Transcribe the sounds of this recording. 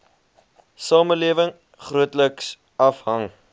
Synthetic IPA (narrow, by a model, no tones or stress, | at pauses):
sɑːməliəvəŋ | χruətləks | ɐfɦɐŋ